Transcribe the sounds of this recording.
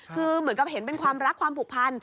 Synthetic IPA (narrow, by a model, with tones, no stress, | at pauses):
kʰɯː˧mɯ˩˦ənka˨˩p̚ɦe˩˦npe˧nkʰwaː˧mɾa˦˥kʰːwaː˧mpʰu˨˩k̚pʰa˧n